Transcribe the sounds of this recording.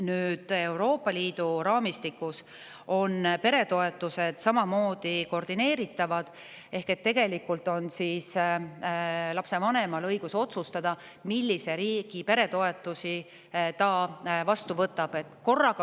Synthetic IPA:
nyːd̪̥e̞wɾo̞ːpːˑɑliːd̪uɾɑːmist̪ikːˑus | o̞npe̞ɾe̞t̪o̞e̞t̪ːˑuse̞d̪̥sɑmɑmo̞ːd̪̥iko̞rd̪̥ine̞ːɾit̪ːˑɑvɑd̪̥ | e̞hke̞t̪ːe̞ɡ̥e̞likːˑult̪ˑo̞nsiːs | lɑpse̞vɑne̞mɑlɤ̞jɡ̥uso̞t̪sust̪ɑd̪ɑ | milːise̞ɾiːɡ̥ipe̞ɾe̞t̪o̞e̞t̪ːˑusi | t̪ɑvɑst̪uvɤt̪ːˑɑb̥e̞t̪ːˑko̞rːɑɡ

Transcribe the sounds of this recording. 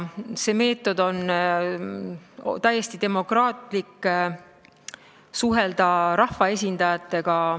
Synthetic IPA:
se̞ːme̞ːt̪ːˑo̞d̪̥o̞n | t̪æjːe̞st̪id̪e̞mo̞krɑːt̪ˑlikː | suɦe̞ld̪̥ɑɾɑhvɑes̬ʲind̪̥ɑjɑt̪ːˑe̞ɡ̥ɑ

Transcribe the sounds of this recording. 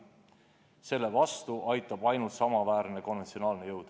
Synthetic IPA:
se̞lːe̞vɑst̪uʔɑjt̪ːˑɑb̥ɑjnult̪sɑmɑvæːɾne̞ko̞nve̞nt̪sio̞nɑːlnejɤwd̪̥

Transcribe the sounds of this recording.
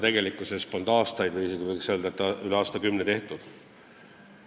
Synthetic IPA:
t̪e̞ɡ̥e̞likːˑusespond̪ɑːst̪ɑjd̪̥vijisikuvɤjkseld̪ɑt̪ːˑɑyleɑːst̪ɑkymnet̪e̞ht̪ud̪̥

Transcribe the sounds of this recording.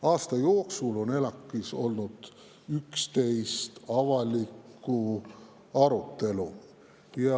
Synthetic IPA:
ɑːst̪ɑjo̞ːksulo̞ne̞lɑkːˑiso̞̰lnud̪̥ | ykst̪e̞jst̪ɑvɑlikːˑu | ɑɾut̪ːe̞lu | jɑ

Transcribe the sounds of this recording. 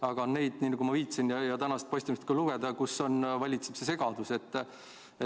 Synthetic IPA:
ɑɡ̥ɑonne̞jd̪̥niːnɑɡumɑviːt̪sinjɑjɑt̪ænɑst̪po̞ɕʲst̪imist̪̚kɑluɡ̥ed̪̥ɑkusːo̞nvɑlʲit̪seb̥sese̞ɡ̥ɑd̪use̞t̪ː | e

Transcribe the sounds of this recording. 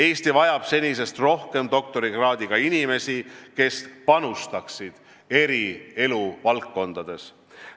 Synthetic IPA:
e̞ːst̪ivɑjɑb̥se̞nʲise̞st̪ro̞hke̞md̪o̞k̚t̪o̞ɾiɡ̥rɑːd̪iɡ̥ɑinime̞sike̞spɑnust̪ɑksid̪̥ | e̞ɾie̞luvɑlkːo̞nd̪̥ɑd̪̥e̞s

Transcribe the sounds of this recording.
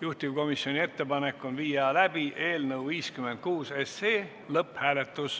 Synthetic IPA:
juht̪ivko̞misːio̞nʲie̞t̪ːe̞pɑne̞kːˑo̞nviːɑlæb̥iʔe̞ːlnəwviːskyme̞nt̪̚kuːseseː | lɤphæːle̞t̪ːˑus

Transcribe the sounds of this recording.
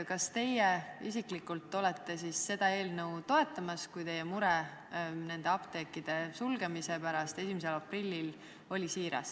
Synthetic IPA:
kɑst̪e̞jeisiklikːˑult̪ːˑo̞le̞t̪ːe̞sisːe̞d̪̥ɑe̞ːlnɤwt̪o̞e̞t̪ːˑɑmɑskujt̪e̞jemuɾɛ | ne̞nd̪e̞ɑpt̪e̞ːkːˑid̪̥e̞sulɡe̞misepæɾɑst̪e̞simise̞lɑprilʲːil | o̞lʲisiːɾɑ̰s

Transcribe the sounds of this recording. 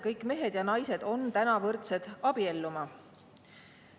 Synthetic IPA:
kɤjkːˑme̞ɦe̞d̪jɑnɑjse̞d̪̥o̞nt̪ænɑvɤrt̪se̞d̪̥ɑb̥ie̞lːumɑ

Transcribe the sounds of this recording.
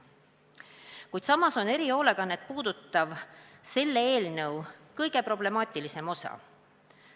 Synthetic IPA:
kujd̪̥sɑmɑso̞neɾio̞ːleɡ̥ɑnːet̪̚puːd̪̥ut̪ːˑɑvse̞lːeeːlnɤwkɤjɡ̥e̞pro̞ble̞mɑːt̪ʲˑilise̞mo̞sɑ̰

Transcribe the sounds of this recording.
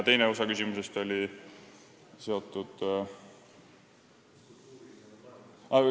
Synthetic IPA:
t̪e̞jneo̞sɑkysʲimuse̞st̪o̞lʲi | se̞o̞t̪ːˑud̪̥ | ɑ

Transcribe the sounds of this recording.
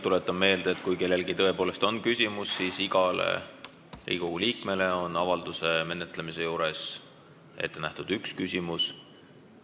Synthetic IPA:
t̪ule̞t̪ːˑɑmme̞ːld̪̥eeːt̪ːˑkujke̞lːe̞lɡit̪ɤ̞e̞po̞ːle̞st̪o̞nkysʲimusːisiɡ̥ɑlḛ | ḭɡ̥ouliːkme̞le̞o̞nɑvɑld̪̥use̞me̞net̪ːˑlemise̞juːɾe̞s | e̞̰t̪ːe̞næht̪ud̪̥ykskysʲimus

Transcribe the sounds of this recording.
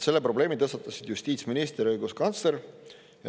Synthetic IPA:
se̞lːe̞pro̞ble̞ːmit̪ɤst̪ɑt̪ːˑɑsid̪̥just̪iːt̪sminist̪rɤjɡ̥uskɑnt̪sle̞ɾ | jɑ

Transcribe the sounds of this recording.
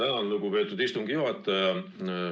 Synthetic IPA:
ænɑnluɡupe̞ːt̪ːˑud̪ist̪uŋɡ̥ijuhɑt̪ːˑɑjɑ

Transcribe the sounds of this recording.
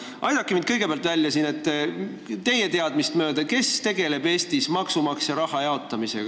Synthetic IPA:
ʔɑjd̪ɑkːˑimind̪̚kɤjɡ̥e̞peæɑlt̪vælʲːjɑsine̞t̪ː | t̪e̞jet̪e̞ɑd̪mist̪mø̞ːd̪̥ɑke̞st̪e̞ɡ̥e̞le̞be̞ːst̪ismɑksumɑksjɑɾɑhɑjɑo̞t̪ːˑɑmise̞̰ɡ̥ɑ

